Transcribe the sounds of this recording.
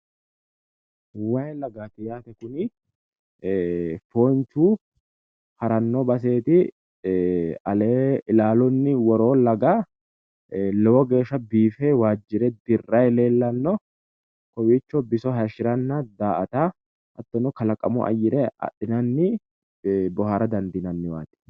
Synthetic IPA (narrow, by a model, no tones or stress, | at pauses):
wajlɐɡaːt̪ɪjaːt̪ɛkʊnɪ | foːnt͡ʃuː | hɐɾɐnːɔbɐs̬e̞ːt̪ɪ | ɐleːlaːlɔnːɪwɔɾo̞ːlɐɡa | lɛwɔɡe̞ːʃːɐbiːfɛwaːd͡ʒːɪɾɛd̪ɪrːɐjleːlːɐnːɔ | kɔwiːt͡ʃːɔbɪsɔɦɛʃɪɾɐnːɐd̪aːʔɐt̪aː | ʔɐt̪ːɔnɔkɐlɐkʼːɐ̰mɔ̰ʔɐ̰jɪɾɛɐ̰ɗɪnɐnːɪ | bɔɦaɾɐd̪ɐnd̪ɪnɐnːɪwa̰ːt̪ɪ̥